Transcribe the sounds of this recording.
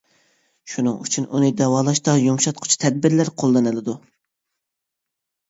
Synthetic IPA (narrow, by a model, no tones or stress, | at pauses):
ʃunɨŋyt͡ʃʰynʔunɨd̪ɛwɑːlˠɑʃt̪ɑjumʃɑt̪̚qʰʊ̥t͡ʃʰi̥t̪ʰɛd̪̚bɪɾlæɾqʰolˠːɨnɨlˠɨd̪u